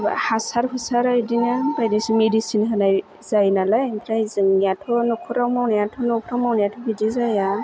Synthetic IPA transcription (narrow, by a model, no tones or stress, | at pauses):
hasaɾhɯsaɾajdinabajdasimedisinɦɯnaj | zajnalajmpʰɾajzɯŋnijatʰɔnɔkʰɔɾawmawnajatʰɔnɔkʰɔɾawmawnajatʰɔbidizaja